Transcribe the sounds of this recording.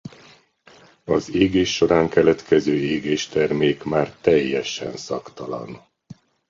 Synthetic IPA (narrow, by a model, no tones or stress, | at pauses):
ɒzeːɡeːʃːo̞ɾaːŋkɛlɛt̪kʰɛzøːeːɡeːʃt̪ɛrmeːkmaːrt̪ɛjːɛʃɛ̰nsɒ̰kt̪ɒlɒ̰n